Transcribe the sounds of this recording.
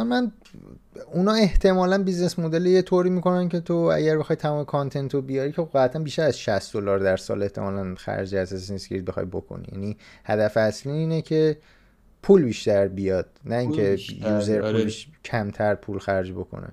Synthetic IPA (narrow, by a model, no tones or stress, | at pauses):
mæn | unɒːe̞ht̪ʰe̞mɒːlænbizne̞smod̪e̞lijet̪ʰoɾiːmiːko̞næncʰe̞t̪ʰoæ̰ɟæɾbe̞xɒjt̪ʰæmɒːmekʰɒnt̪ʰe̞nt̪ʰobijɒɾikcʰeæt̪ʰænbiʃt̪æɾæzʃæsd̪olɒːɾd̪æɾsɒ̰ːle̞ht̪ʰe̞mɒːlænxæ̰ɾd͡ʒeæsesinskʲḛid̪bexɒ̰jbo̞̰kʰo̰nḭjæ̰nihæd̪æfæsliːnecʰe̞ | pʰuːlbiːʃt̪æɾbijɒːd̪̥̚næiːŋcʰejuːzeɾpʰuleʃcʰæmt̪ʰæɾpʰulxæɾd͡ʒbo̞̰kʰo̰nḛ